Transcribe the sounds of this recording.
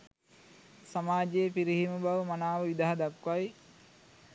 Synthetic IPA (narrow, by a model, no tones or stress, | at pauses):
samaːd͡ʒeepiɾiɦimubaʋmanaːʋəʋid̪aɦad̪akʋaj